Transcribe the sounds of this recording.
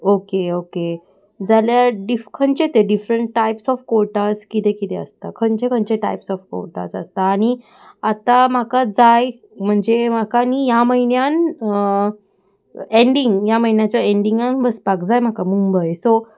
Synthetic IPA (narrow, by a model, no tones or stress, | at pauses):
okeoke | d͡zaljaɖifkʰəɳt͡ɕet̪eɖifɾəɳʈːajpsɔfkoɾʈaskit̪ekit̪eə̰st̪akʰəɳt͡ɕekʰəɳt͡ɕeʈa̰jpsɔfko̰ɾʈa̰sə̰st̪aːɽ̃i | at̪am̤akad͡zaj | m̤əɳd͡zem̤akanijaməɦinjan | eɳɖiŋɡjaməɦinjat͡ɕaeɳɖiŋɡanbəspakd͡zajm̤akamumbəjso